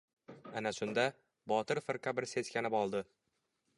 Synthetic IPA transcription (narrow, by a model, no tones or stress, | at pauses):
anaʃʊnd̪a | bɒt̪ɪɾfɨɾqʰɑbɪɾse̞zkʲanɪbɒlˠd̪ɪ